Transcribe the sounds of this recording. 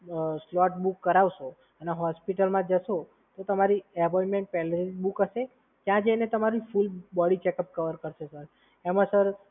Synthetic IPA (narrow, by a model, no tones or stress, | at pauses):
slɔʈbukːəɾaʋʃo | əneɦɔspiʈəlmãd͡ʒəʃo | t̪ot̪əmaɾiepɔimẽɳʈ̚pɛleɾibukəʃe | t̪jãd͡ʒəjnet̪əmaɾifulbɔɽit͡ʃekəp̚kəʋəɾkəɾʃesəɾ | emãsəɾ